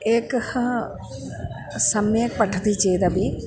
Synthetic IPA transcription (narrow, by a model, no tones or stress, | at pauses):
eːkɐhɐ | sɐmjɐk̚pɐʈʰːɐt̪it͡ʃejt̪ɐbi